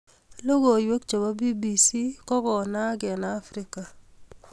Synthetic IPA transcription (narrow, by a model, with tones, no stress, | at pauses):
lo˦ɡo˨jwe˦kt͡ʃo˨ba˦bi˦bi˨si˦kɔ˦kɔ˨na˦ɡɛ˨naː˨˦fɾɪ˦ka˨